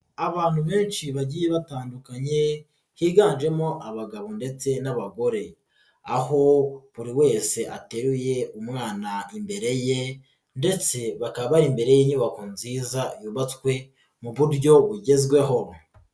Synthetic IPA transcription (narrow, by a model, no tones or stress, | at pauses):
aβaːn̥huβe̞ːnʃiβaɟiːje̞βataːndukaɲe̞ | hiːɡaːnʒe̞mo̞ʔaβaɡaβo̞nde̞t͡se̞naβaɡo̞ɾe̞ | aho̞βuɾiwe̞ːse̞ʔate̞ɾuje̞umŋaːnaimbe̞ɾe̞je | nde̞t͡se̞βakaβaβaɾimbe̞ɾe̞jeɲuβakunziːzajuːβat͡skwe̞ | muβuɾjo̞βuɟe̞zɡwe̞ɦo̞